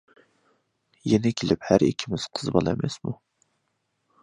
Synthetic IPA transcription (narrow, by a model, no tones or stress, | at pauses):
jɛnɪkʲʰelɪphæɾḭkʲʰːimɪz̥qʰə̥zbɑ̰lˠɛmɛ̰smu